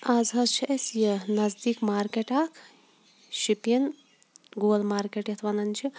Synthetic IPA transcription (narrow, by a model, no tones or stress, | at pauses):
ɐzɦɐzt͡ʃʰiʔɐsjinɐzd̪ikmaːɾkeʈaːkʰ | ʃipjɐn | ɡoːlmaːɾkeʈjɐt̪ʰʋanɐnt͡ʃʰi